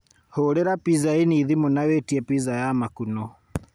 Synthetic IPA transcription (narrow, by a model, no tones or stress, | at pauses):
hoɾeɾapizainiːðimonawetiɛpizajamakunɔ